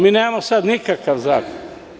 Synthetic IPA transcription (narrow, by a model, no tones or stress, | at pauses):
miːneːmasad̪nikakaʋzaːkon